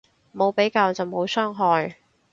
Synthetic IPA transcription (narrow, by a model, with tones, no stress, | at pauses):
mo˨˧wpe˨˥jkaː˧wt͡sɐ˨wmo˨˧wsœː˥ŋɦɔː˧j